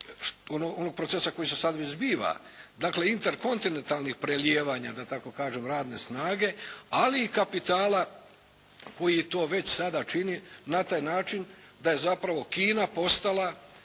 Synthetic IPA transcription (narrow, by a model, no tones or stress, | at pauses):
onoɡono̞ɡ̚pɾot̪sesako̞jisesad̪ʋezbiːʋa̰ | d̪akle̞int̪eɾko̞nt̪ine̞nt̪alnixpɾeljeːʋaːɲad̪at̪ako̞kaːʒemɾaːd̪ne̞snaːɡe̞aliːkapit̪aːla | ko̞jit̪o̞ːʋe̞t͡ɕsad̪at͡ʃininat̪aːjnaːt͡ʃin | d̪aje̞zapɾaʋo̞kiːnapo̞st̪alˠa